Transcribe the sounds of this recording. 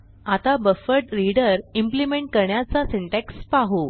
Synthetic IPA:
at̪abəfəɾʈɾiɽəɾimplimeɳʈ̚kəɾɳjat͡saseɳʈɛkspaɦo

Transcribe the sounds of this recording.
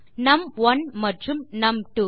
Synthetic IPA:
nɐmʋɐnmɐʈrumnɐmʈu

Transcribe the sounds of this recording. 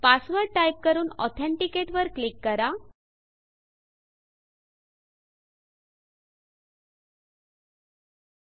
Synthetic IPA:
pasʋəɾajp̚kəɾuːnɔ̰t̪ʰɛ̃ɳʈikeʈʋəɾklikːəɾa

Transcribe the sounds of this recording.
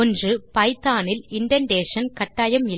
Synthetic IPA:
ɔndrɯpɐɪt̪ːaːnɪlɪɳɖɐnɖeːʂɐnkɐʈːaːjɐmɪl

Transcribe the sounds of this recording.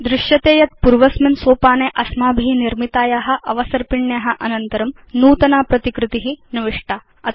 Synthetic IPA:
d̪ɾɪʂjɐt̪eːjɐt̪̚puɾʋɐsminsoːpaːneːʔɐsmaːbʱiniɾmit̪aːjaːɦɐ̆ʔɐʋɐsɐɾpiɳːjaːɦɐ̆ʔɐnɐnt̪ɐɾɐm | nuːt̪ɐnaːpɾɐt̪ikɾɨt̪iɦiniʋiʂʈaː | ɐ

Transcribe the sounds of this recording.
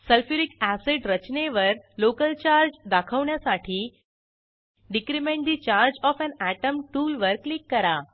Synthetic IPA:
səlfiɾikæseɖɾət͡ɕneʋəɾlokəlt͡ɕaɾd͡ʑd̪akʰəʋɳjasaʈʰiː | ɖikɾimẽɳʈ̚d̪iːt͡ɕaɾd͡ʑɔfænæʈəmʈuːlʋəɾklikːəɾa

